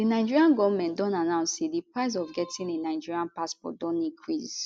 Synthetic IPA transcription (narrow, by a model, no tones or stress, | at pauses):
dinaɪd͡ʒiɹiãnɡɔvmɛ̃ntdɔ̃nanãʊ̃nsedipɹaɪz̬ɔvɡɛtĩnenaɪd͡ʒiɹiãnpaspɔ̰t̚dɔ̃nĩkʰɹiz